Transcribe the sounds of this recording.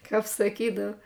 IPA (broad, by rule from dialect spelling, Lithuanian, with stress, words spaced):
ˈkɐp sɐˈkʲiːdɐw